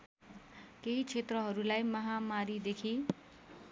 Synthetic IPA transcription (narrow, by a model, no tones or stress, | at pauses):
keɦit͡sʰet̪rʌɦʌɾulajmʌɦamaɾid̪ekʰi